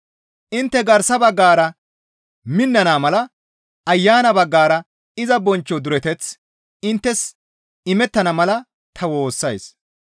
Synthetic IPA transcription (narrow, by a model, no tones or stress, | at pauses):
ʔɪnt̪ːɛɡɐɾsɐbɐɡːaːɾɐ | mɪnːɐnaːmɐlɐ | ɐjːaːnɐbɐɡːaːɾɐ | ɪzɐbɔnt͡ʃːɔd̪ʊɾɛt̪ɛt͡s | ɪnt̪ːɛs | ɪmɛt̪ːɐnɐmɐlɐ | t̪ʰɐwo̞ːsːɐjs